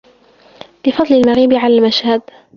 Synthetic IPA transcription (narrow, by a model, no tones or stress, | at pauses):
bɪfɑd̪ˤlɪlmaɣiːbɪʕalaːlmaʃhad̪